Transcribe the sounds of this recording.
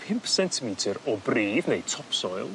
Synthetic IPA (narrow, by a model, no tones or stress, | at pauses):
pʰɪmpʰsɛntʰɪmiːtʰəɾɔbriːvnejtʰɔpʰsɔjlˠ